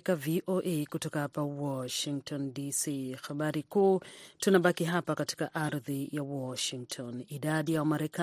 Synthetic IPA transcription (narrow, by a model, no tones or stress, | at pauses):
kaviʔoʔekutɔkahapawɔʃiŋk̚tʰɔndisiːxaɓaɾikuːtunaɓakiɦapakati̥kaʔaɾðijawɔʃiŋk̚tʰɔniɗaɗijawamaɾɛka